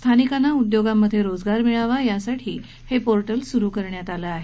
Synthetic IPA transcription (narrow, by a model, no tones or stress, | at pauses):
st̪ʰanikanːaud̪joɡamːəd̪ʱːjeɾod͡zɡaɾmiɭaʋajasaʈʰḭː | hepoɾʈəlsuɾuːkəɾɳjat̪alaaɦe